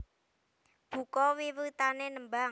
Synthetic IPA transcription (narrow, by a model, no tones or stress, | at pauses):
b̥ṳkɔwiwit̪anenəmbaŋ